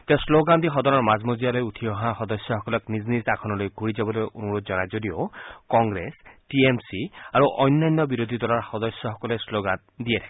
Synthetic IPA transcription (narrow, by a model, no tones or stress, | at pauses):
t̪eãsloɡand̪ixɔd̪ɔɾɔɹmazmozijalojut̪ʰiɔɦaxɔd̪ɔsjɔxɔkɔlɔkniznisakʰɔnɔlojɡʱuɹid͡ʒabɔlojonuɹod̪̚d͡ʒɔnajzodiokɔŋɡɾesʈiemsiaɹuʔɔjnːajnːɔbiɾod̪ʱid̪ɔlaɹxɔd̪ɔsjɔxɔkɔlesloɡan | d̪iet̪ʰḁk